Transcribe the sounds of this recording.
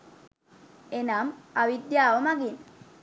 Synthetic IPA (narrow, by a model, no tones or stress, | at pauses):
enamaʋid̪jaːʋomaɡin